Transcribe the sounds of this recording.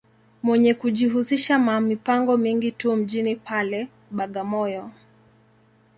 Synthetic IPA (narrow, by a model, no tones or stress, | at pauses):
mwɛɲɛkuʄiɦusiʃamamipaŋɡɔmiŋɡitum̩ʄinipʰalɛ | ɓaɠamɔjɔ